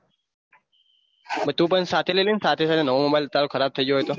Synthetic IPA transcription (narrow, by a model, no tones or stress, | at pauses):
bət̪upənsat̪ʰelelensaːt̪ʰesaːt̪ʰenəʋomobailt̪alokʰəɾab̚t̪ʰəid͡ʒoɦoet̪o